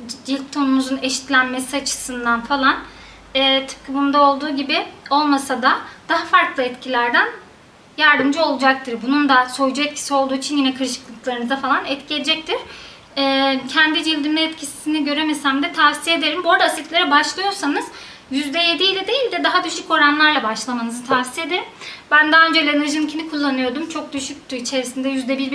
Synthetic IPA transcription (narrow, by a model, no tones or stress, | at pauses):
d͡ʒilʲp̚t̪ʰo̞numuzune̞ʃi̥t̪lʲænme̞siat͡ʃʰɯ̥sɯnd̪anfalˠan | ɛːt̪ʰɯ̥p̚kʰɯbund̪ao̞lˠd̪uːɟibɪo̞lˠmasad̪ad̪aɦafaɾklˠɯɛt̪cʰilʲæɾd̪æn | jaɾd̪ɯmd͡ʒɯo̞lˠud͡ʒak̚t̪ʰɯɾbunund̪aso̞jd͡ʒuɛt̪̚cʰi̥sio̞lˠd̪uːit͡ʃʰinjinɛkʰɯɾʃɯ̥klˠɯklˠaɾɯnɯzafalˠanɛt̪cʰijed͡ʒɛc̚t̪iɾ̥ | ɛːcʰɛnd̪id͡ʒilʲd̪imʲɛɛt̪cʰisi̥siniɟø̞ɾe̞mesæmd̪ɛt̪ʰasijed̪e̞ɾimbo̞ɾd̪asit̪lʲeɾɛbaʃlˠɯjo̞ɾsanɯz̥ | jyzd̪ɛje̞d̪ijlʲɛd̪e̞jilʲd̪ɛd̪aɦad̪yʃyco̞ɾanlˠaɾlˠabaʃlˠamanɯzɯt̪ʰasi̥je̞d̪eɾimbænd̪aaø̞nd͡ʒelʲenɛɾʒinicʰinikʰulˠːanɯjo̞ɾd̪umt͡ʃʰo̞k̚d̪yʃyc̚ʲt̪ʰyɾit͡ʃʰe̞ɾisind̪ɛjyzd̪ɛbiɾb